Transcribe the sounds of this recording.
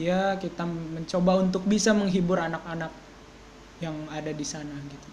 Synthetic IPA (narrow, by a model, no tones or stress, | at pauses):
jakit̪aməɲt͡ʃobaunt̪ʊk̚bisaməŋɦibʊɾanakanak̚ | jaŋadadisanaɡit̪u